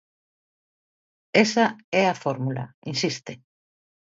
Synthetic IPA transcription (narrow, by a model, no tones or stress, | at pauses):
esaɛafoɾmula̰insist̪ɪ